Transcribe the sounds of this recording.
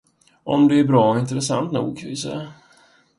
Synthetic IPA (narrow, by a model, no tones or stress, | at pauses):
ʔɔ̰md̪ɛæɾbɾɑːɔɪnt̪ɾɛsa̰nt̪nṵːɡ̚kʰanvɪsɛ̰ja